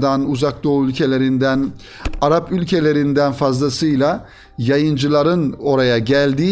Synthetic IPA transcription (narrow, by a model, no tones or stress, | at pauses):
d̪anuzak̚d̪o̞ylʲcʰe̞lʲe̞ɾind̪æn | aɾapylʲcʰe̞lʲe̞ɾind̪ænfazlˠasɯjlˠa | jajɯnd͡ʒɯlˠaɾɯno̞ɾajaɟælʲd̪iː